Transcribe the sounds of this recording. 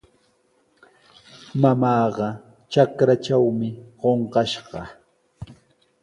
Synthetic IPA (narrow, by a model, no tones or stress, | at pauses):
mamɑːɢɑ | t͡ʃakɾat͡ʃawmɪɢoɴqɑʃɢɑ